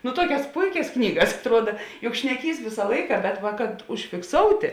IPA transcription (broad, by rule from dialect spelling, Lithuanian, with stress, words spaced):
nʊ ˈtuɔkʲɛs ˈpʊɪkʲɛs ˈknʲiːɡɐs ɐtˈruɔdɐ jʊk ʃʲnʲɛˈkʲiːs ˈʋʲɪsɐ ˈlˠɐɪkɐ bʲɛt ˈʋɐ kɐt ʊʃʲfʲɪkˈsoːʊtʲeː